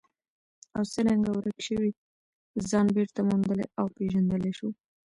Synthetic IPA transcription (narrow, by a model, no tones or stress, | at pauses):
awsəɾaŋɡawɾəkʃəwi | zɑnbeɾt̪amund̪əlḛʔawpeʒand̪əleʃu